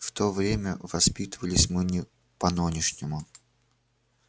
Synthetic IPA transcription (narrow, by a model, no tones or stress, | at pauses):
ft̪ovɾʲemʲə̰vɐspʲit̪əvəlʲɪsʲmɨnʲɪ | pɐnɨnʲɪʂnʲɪmʊ